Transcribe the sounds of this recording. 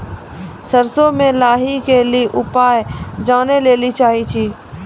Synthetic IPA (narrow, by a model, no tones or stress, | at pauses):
səɾsomẽlaːɦikeliʔʊpaːjd͡ʒaːneleːlit͡ʃaːɦit͡ʃʰiː